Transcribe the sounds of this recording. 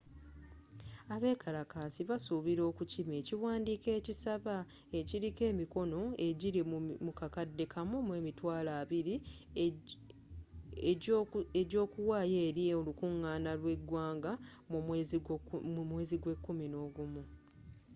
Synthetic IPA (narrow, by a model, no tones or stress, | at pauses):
aβe̞ːkʰalakaːsiβasuβiɾo̞ːkucime̞ːciwaːndiːke̞ːcisaβa | e̞ciɾike̞ːmiko̞no̞e̞ɟiɾimmukakadːe̞kʰamumwe̞ːmitwaːlaːβiɾi | eɟo̞ːkuwaːje̞ːɾieolukuŋːaːnalwe̞ɡwaːŋɡamuz | mwe̞ːziɡwe̞kːumino̞ːɡumu